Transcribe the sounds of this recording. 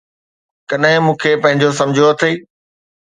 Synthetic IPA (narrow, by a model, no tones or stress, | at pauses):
kɐɗɦɪ̃mũːkʰepɐ̃ɦɪ̃ɲd͡ʑos̬ɐ̃md͡ʑʱoɐt̪ʰeː